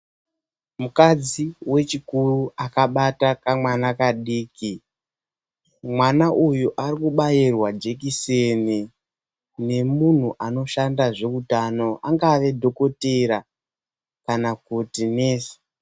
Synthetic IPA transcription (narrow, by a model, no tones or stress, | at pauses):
mukad͡ziwe̞t͡ʃikuruʔakaɓatakamwanakaɗiːki | mwanaʔujuʔaɾikuɓajirwad͡ʒe̞k̬iseni | ne̞mun̤uʔano̞ʃandaʐe̞kutano̞ʔaŋɡaʋe̞dʱo̞ko̞teɾa | kanakutineːsi̥